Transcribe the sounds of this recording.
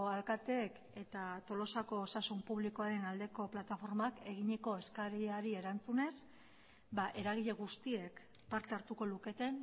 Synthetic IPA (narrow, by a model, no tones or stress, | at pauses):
alkat̪e̞ːk | e̞t̪at̪o̞lo̞sako̞ːsasumpuβliko̞aɾe̞nald̪e̞ko̞plat̪afo̞ɾmake̞ɣ̞iɲeko̞e̞skaɾaɾie̞ɾant͡sune̞s | baʔe̞ɾaɣ̞iʎe̞ɣ̞ust̪ie̞k | paɾt̪eaɾt̪uko̞luke̞t̪e̞n